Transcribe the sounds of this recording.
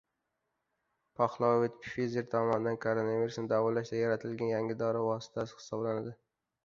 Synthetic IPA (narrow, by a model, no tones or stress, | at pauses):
pʰɒχlˠɒvit̪pfʲizʲeɾt̪ʰɒmɒnɪd̪ankʰoɾonaviɾusnɪd̪avɒɾlaʃd̪ajaɾat̪ʰɪlɡʲanjaŋʲɪd̪ɒɾavɒsɪ̥t̪ʰasɪ̥hɪ̥sɒblanad̪ɪ